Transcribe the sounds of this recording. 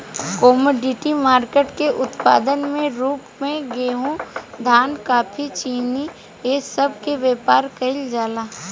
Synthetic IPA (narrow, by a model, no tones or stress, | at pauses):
kɔːmoːɖɪʈimaːɾkeːʈkeʔʊt̪pa̰ːd̪ənmẽɾuːpmẽɡeːɦõd̪ʱaːnkaːpʰit͡ʃiːni | eːsɐb̚ʱkeʋjeːpaːɾkɐɪld͡ʒaːlaː